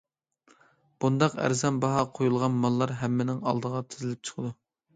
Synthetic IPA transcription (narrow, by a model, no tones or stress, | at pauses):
b̥und̪ɑqæ̰ɾzɛnbɑɦɑqʰojulˠʁɑnmɑlˠːɑɾɦɛmːɪnɪŋɑ̰lˠd̪əʁɑt̪ʰɪzɪlɪp̚t͡ʃʰə̥qʰəd̪u